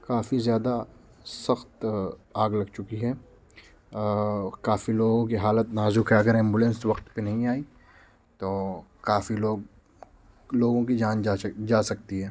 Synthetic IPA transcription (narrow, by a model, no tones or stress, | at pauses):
kaːfizjaːd̪a | sɐxt̪aːɡlɐɡt͡ʃʊkiɦɛː | kaːfiloːɡõkiɦaːlət̪naːzukɦɛɐɡəɾɪ̃mbʊlɛ̃nsʋɐqt̪penɐɦĩaːi | t̪oːkaːfiloːɡ | loːɡõkid͡ʒaːnd͡ʒaːsɐk̚t̪iɦɛː